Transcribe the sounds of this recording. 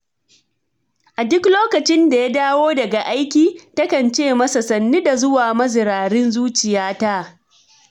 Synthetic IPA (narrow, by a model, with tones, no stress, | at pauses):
ʔa˨dʊ˦kloː˦kɐ˨t͡ʃɪ˦nda˨ja˦daː˦woː˦dɐ˨ɡa˨ʔa˦jkʲiː˦tɐ˦kɐ˨nt͡ʃeː˦˨mɐ˦sa˨sɐ˨nːi˦da˨zʊ˦waː˨mɐ˦zɪ˨ɾaː˨ɾɪ˦nzuː˦t͡ʃɪ˨jaː˦ta˦